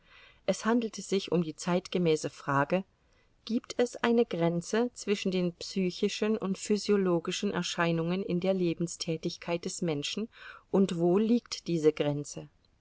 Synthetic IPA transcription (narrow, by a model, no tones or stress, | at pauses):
ʔɛshandl̩təz̥ɪçʔʊmdiːt͡saɪtɡ̥əmɛːsəfʁ̥aːɡə | ɡ̥iːptʰɛsʔaɪnəɡʁɛnt͡sət͡sv̥ɪʃn̩deːnpsyːçɪʃənʔʊntfyzjoloːɡɪʃn̩ʔɛ̰ɐʃaɪnʊŋənɪndeːɐleːbm̩stʰɛːtɪçkʰaɪt̚d̥ɛsmɛnʃn̩ʔʊntv̥oːliːktd̥iːzəɡʁɛnt͡sə